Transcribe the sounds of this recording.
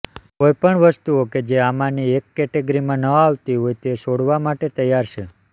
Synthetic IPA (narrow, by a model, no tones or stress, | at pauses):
kojpəɳʋəst̪uoked͡ʒeamãniekːɛʈeɡɾimãnəaʋt̪iɦojt̪eʃoɽʋamaʈet̪əjːaɾʃʰe